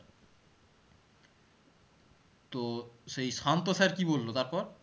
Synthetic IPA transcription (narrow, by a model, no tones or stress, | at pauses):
t̪osejsant̪osaɾkibolːot̪aɾpɔɾ